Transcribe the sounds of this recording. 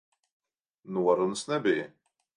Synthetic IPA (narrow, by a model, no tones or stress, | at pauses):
nwərˤːənəsnæbi